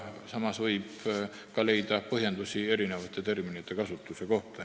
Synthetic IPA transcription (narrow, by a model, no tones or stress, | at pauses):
sɑmɑsʋɤip | kɑle̞it̪ɑpɤhjɑnd̪usʲie̞ɾineʋɑt̪ːˑet̪e̞rminet̪ːekɑsut̪ːuseko̞ht̪ɑ